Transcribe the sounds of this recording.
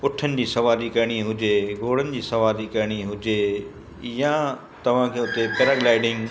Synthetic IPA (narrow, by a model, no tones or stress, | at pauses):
ʊʈʰənɪ̆d͡ʑiːsɐʋaːɾikɐɾɽ̃iɦʊd͡ʑeɡoːɽ̤ənɪ̆d͡ʑiːsɐʋaːɾikɐɾɪɽ̃iɦʊd͡ʑe | jã | t̪ɐʋ̤ãkʰeːʊt̪epɛːɾaɡlaːɪɖɪ̃ŋɡ